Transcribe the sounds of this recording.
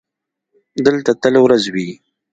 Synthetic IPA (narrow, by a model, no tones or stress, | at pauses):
d̪əlt̪at̪əlawɾazwi